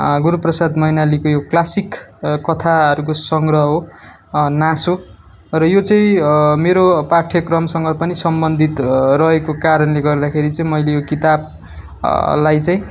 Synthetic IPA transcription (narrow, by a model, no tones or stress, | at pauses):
ɡuɾuprʌsad̪mʌinalikojoklasikkːʌt̪ʰaʌɾukosʌŋɡrʌɦɦo | naso | rʌjot͡sʌĩmeɾopaʈʰjʌkrʌmsʌŋɡʌpʌnisʌmbʌnd̪ʱit̪rʌɦekokaɾʌnleɡʌrd̪akʰeɾit͡saĩmʌjlejokit̪ab̚ | lajt͡saĩ